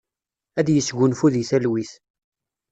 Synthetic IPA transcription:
æd̪jəsɡʷʊnfuðiθælwiθ

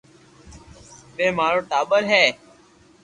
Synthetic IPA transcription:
ɓeːmaːɾoːʈaːɓəɾɦɛː

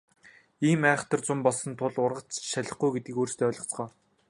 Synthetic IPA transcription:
iːmæːχə̥̆t̪ʰə̆rt͡sʊmpɔɮsɞ̆nt̪ʰʊɮʊrʁə̆t͡sʃaɮə̆χɡujɡet̪̚ɡĭːkoːrst̪ʰeːœːɮɞ̆t͡sɢɔː

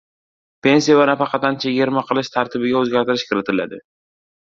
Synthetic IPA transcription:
pe̞ns̬ijavanafɑqʰɑt̪ant͡ʃʰaɡʲeɾmaqʰɨlˠɪʃt̪ʰaɾt̪ʰɪbɪɡʲaɵzɡʲaɾt̪ɪɾɪʃkʲʰɪɾɪt̪ʰɪla̰d̪ɪ

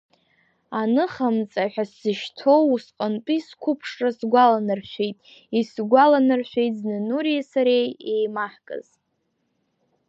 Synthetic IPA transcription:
anɨχamt͡sʼaħʷᶣasːɨʃtʰowusqʼənpʼiskʷʰʊpʰʂrasɡʷalanɨrʃʷᶣejtʼ | isɡʷalanɨrʃʷᶣe̞jtʼznɨnuɾiasaɾejejmaħkʼɨ̰z

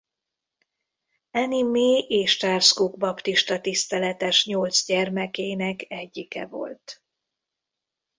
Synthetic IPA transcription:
ɛnimeːʔeːʃt̪aːrskuɡbɒpt̪iʃt̪ɒt̪ist̪ɛlɛt̪ɛʃɲolt̪zɟɛrmɛkeːnɛkɛɟːikɛ̰vo̞̰lt̪

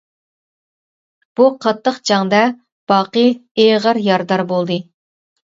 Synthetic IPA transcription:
b̥uqʰɑt̪ʰːəqd͡ʒɑŋd̪ɛ | b̥ɑːqɨeʁəɾjɑɾd̪ɑɾbolˠd̪ɨ

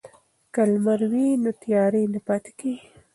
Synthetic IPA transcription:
kalmaɾwinot̪jɑɾenapɑt̪e̥ki

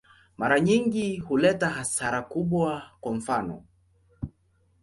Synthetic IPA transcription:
maɾaɲiŋɡihulɛtaɦasaɾakuɓwakwam̩fanɔ̰

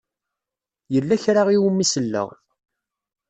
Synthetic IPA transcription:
jəlːæçɾaʁiwəmːisəlːə̰ʁ

